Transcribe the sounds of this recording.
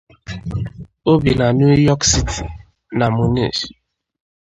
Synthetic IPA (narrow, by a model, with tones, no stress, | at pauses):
o˦bi˨na˨nu˦jɔ˦ksi˦ti̥˨ | na˨mu˨nḭ˦˨ʃ